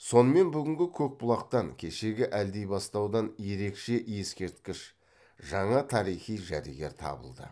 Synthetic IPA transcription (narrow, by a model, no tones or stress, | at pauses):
so̞nəme̞nbʏɡʲɪŋɡʲɪkʲʰɵk̚bʊlˠɑqt̪ɑŋkʲʰe̞ʃe̞ɡʲɪʔæld̪e̞jbɑst̪ɑwd̪ɑnje̞ɾe̞kʃe̞ʔje̞skʲe̞ɾt̪kʲɪʃ | ʒɑɴɑt̪ʰɑɾijχijʒæɾḭɡʲe̞ɾt̪ʰɑ̰bə̰lˠd̪ə̰